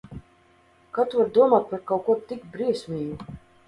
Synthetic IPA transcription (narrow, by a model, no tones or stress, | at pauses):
kat̪uvaɾd̪uɔmaːt̪̚paɾkawkuɔt̪ikbɾiɛsʲmʲiːɡu